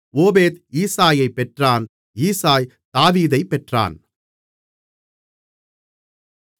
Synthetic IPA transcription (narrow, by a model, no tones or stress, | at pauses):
oːbeːt̪iːsaːjɐɪpːɛʈraːn | iːsaːj | t̪aːʋiːðɐɪpːɛʈra̰ːn